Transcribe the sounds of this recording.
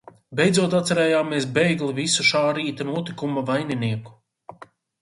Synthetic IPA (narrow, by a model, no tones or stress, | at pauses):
bejd̪zuɔt̪at̪sɛɾɛːjaːmiɛsbɛjɡlivisuʃaːɾiːt̪anuɔt̪ikumavajniniɛku̥